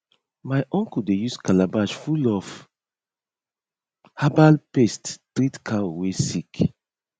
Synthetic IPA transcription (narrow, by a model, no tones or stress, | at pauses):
maɪʔɔ̃ŋkuldejuskalabaʃfulɔf | habalpesttɾitkʰaowesik